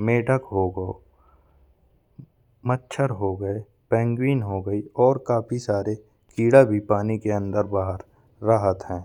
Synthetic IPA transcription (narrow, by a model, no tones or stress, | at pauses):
meːʈəkɦoɡo | mətːʃʰəɾɦoɡəe | pɛ̃ːŋɡwiːnɦoːɡəiɔːɾkaːpʰisaːɾe | kiːɽabʱipaːnikeə̃nd̪əɾbaːɦəɾː | əɦət̪ɦɛ̃ː